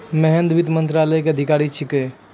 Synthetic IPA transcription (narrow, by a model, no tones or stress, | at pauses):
mɛɦɛnd̪ʋid̪mənt̪ɾaləjkeəd̪ʱikaɾit͡ʃʰike